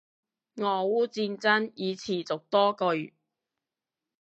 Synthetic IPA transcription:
ŋɔː˨˧wuː˥t͡siː˧nt͡sɐ˥njiː˨˧t͡sʰiː˨˩t͡sʊ˨k̚t̪ɔː˥kɵ˧ɥ

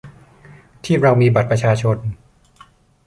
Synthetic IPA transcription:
t̪ʰiː˥˩ɾa˧wmiː˧ba˨˩t̪̚pɾa˧t͡ɕʰaː˧t͡ɕʰo˧n

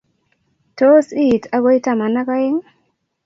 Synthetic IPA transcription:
to˦si˦˨ta˦βo˦jta˦˨ma˨na˦ka˦je˦ŋ

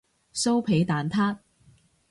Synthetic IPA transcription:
so˥wpʰe˨˥jt̪aː˨nt̪ʰaː˥t̚

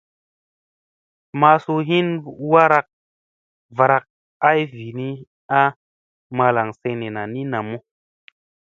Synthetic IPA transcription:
ma˧su˧ɦi˦nwa˦ɾa˧k̚ | va˨ɾa˧k̚ | a˦jvi˨ni˦ | a˦ | ma˧la˨ŋsẽ˧ne˨na˨ni˦na˨mu˦

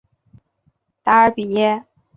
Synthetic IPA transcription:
t̪a˧˥ə˧˥pi˨˩jɛ˥

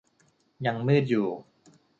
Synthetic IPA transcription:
ja˧ŋmɯː˥˩t̪̚juː˨˩

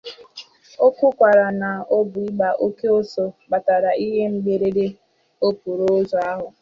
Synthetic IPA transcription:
o˦kʷʊ˦kʷa˨ɾa˨na˨o˦bʊ˨i˦ɡ͡ba˨ʔo˦ke˦o˦so˨ɡ͡ba˨ta˨ɾa˨i˦ɦe˦ŋ͡m̩˦ɡ͡be˨ɾe˦de˦ | o˦pu˨ɾo˦zo˨˦a˦ɦʊ˨

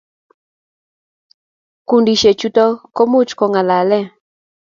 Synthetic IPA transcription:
ku˨ndi˨ʃe˨t͡ʃu˦tɔ˦ko˦mu˦t͡ʃkɔ˨ŋa˨la˨lɛ˦

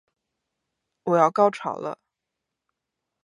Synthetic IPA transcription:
wɔ˨˩jɑ˥˧ʊkɑ˥ʊʈ͡ʂʰɑ̰˨˩ʊlə̰˦

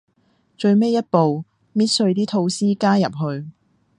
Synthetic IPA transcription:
t͡ʃɵ˧ɥme˥jːɐ˥t̚po˨w | miː˥t̚sɵ˧ɥt̪iː˥t̪ʰo˧wsiː˥kaː˥jɐ̰˨p̚ɦɵ˧ɥ

